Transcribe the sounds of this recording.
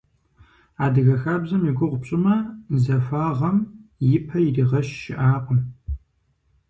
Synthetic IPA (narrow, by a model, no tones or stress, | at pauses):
aːdɨɣɐxaːbzɐmiɡʷʊʁʷʊpɕʼɪmɐzɐfaːʁɐmjɪpʰɐjiriːʁɐɕːɪ̰ʔaːqʷʼʊn